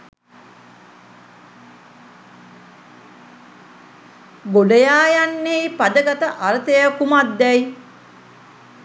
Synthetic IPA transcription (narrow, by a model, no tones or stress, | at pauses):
boɖəjaːjanːejpad̪əɡat̪əʔaɾət̪ejəkumat̪ːɛj